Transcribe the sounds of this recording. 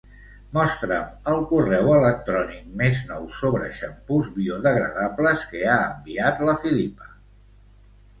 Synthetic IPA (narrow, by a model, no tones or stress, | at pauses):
mɔst̪ɾəməlˠkurɛwələk̚t̪ɾɔnik̚meznɔwsoβɾə̰ʃəmpuzβioðəɣɾə̰ðapləskəaəmbiat̪ləfilipə̥